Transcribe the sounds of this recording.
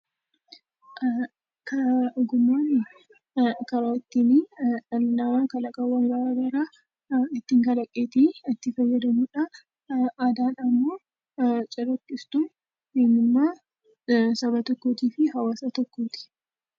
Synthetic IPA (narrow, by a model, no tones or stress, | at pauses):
kʰɐɡʊmːaːnɪ | kɐɾaɪt̪ːiniɐːɐmakɐlɐkʼɐwɐŋɡɐɾaːɡɐɾa | ɪt̪ːiːŋkɐlɐkʼːeːt̪iɐt̪ːɪfɐjːɐd̪ɐmuᶑɐ | ad̪aːnɐmːoː | t͡ʃʼɐrɐkːɪst̪u | eːnːɪmːaː | sɐbɐt̪ɔkːoːt̪iːfɪɦɐwaːsɐt̪ɔkːoːt̪ɪ̥